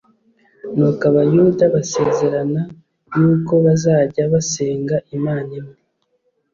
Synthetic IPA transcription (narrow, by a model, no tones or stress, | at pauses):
nukaβajuːdaβase̞ːze̞ɾana | juːko̞βazaːɟaβase̞ːŋɡaʔimaːnimi